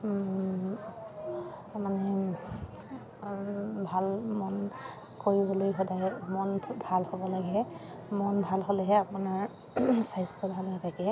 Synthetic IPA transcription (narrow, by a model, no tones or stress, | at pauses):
manɛ | bʱalmɔn | koɹibolojɦɔdajmɔnbʱalhobɔlaɡɛ | mɔnbʱalɦolɛɦɛapunaɹ | sajstɔbʱaljtʰakɛ